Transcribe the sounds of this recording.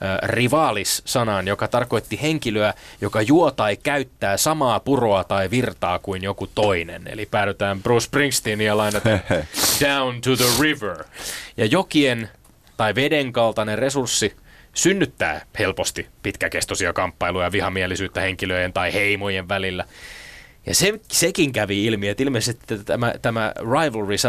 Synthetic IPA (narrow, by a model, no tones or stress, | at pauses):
riʋɑːlisːɑnɑnjokɑt̪ɑrko̞it̪ːiheŋkiløæjokɑjuot̪ɑikæyt̪ːæːsɑmɑːpuro̞ɑt̪ɑiʋirt̪ɑːkuinjokut̪oinḛnḛlipæːɾøt̪æːmbruːspriŋst̪iniælɑinet̪ɑd̥æwnt̪uðəɹiʋə˞jɑjokien | t̪ɑiʋedeŋkɑlt̪ɑnerresursːisynːyt̪ːæ̰ːhelpost̪ipit̪kækest̪osiɑkɑmpːɑilujɑʋihɑmielisyːt̪ːæheŋkiløient̪ɑiheimojeʋʋælilːæ | jɑ̰sesekiŋkæʋiilmiet̪ilmeˑisest̪i̥t̪ːet̪æmæt̪æmæ̰rɑiʋlɹisɑ